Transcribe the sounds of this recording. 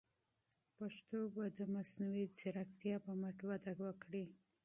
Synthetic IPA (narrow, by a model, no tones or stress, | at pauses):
paʂt̪obad̪əmasnawit͡sɪɾakt̪jɑpəmaʈwad̪aɡwəkɽi